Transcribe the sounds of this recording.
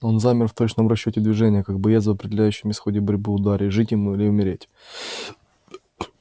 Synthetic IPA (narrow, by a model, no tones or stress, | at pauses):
o̞nzamʲɪrft̪ot͡ɕnəmrɐɕːotʲɪd̪vʲɪʐɛnʲɪjəkak̚bɐjezəvɐpɾʲɪdʲɪlʲæjʉɕːɪmʲɪsxodʲɪbɐɾʲbɨʊd̪aɾʲɪʐɨtʲjɪmuilʲɪʊmʲɪɾʲetʲ